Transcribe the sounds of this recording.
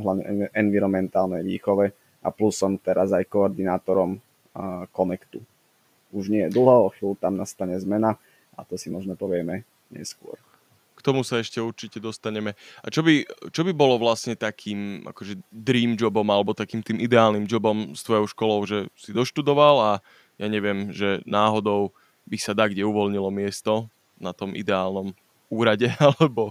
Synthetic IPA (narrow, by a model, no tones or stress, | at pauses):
ɦlaʋɲɛ̰ʔɛnʋiɾɔmɛnt̪aːlnɛjʋḭːxɔʋɛ | ʔa̰plusɔmt̪ɛɾazajkɔːɾd̪inaːt̪ɔɾɔm | kɔnɛkt̪u | uʒɲɪɛjɛd̪l̩ˠɦɔxiːlt̪amnast̪aɲɛzmɛna | at̪ɔsimɔʒnɔpɔʋɪɛmɛ | ɲɛ̰skʊɔ̰ɾ | kt̪ɔmusaɛʃcɛuɾt͡ʃicɛd̪ɔst̪aɲɛmɛat͡ʃɔbit͡ʃɔbibɔlɔʋlasɲɛt̪akʰiːmʔa̰kɔʒɛd̪ɾiːmd͡ʒɔbɔmalɛbɔt̪akiːmt̪iːmid̪ɛaːlnimd͡ʒɔbɔmst̪ʋɔjɔʊʃkɔlɔʊʒɛsid̪ɔʃt̪ud̪ɔʋala | jaɲɛʋɪɛmʒɛnaːɦɔd̪ɔʊ | bisad̪aɡɟɛuʋɔlɲilɔmɪɛst̪ɔ | nat̪ɔmʔḭd̪ɛaːlnɔm | uːɾaɟɛalɛbɔ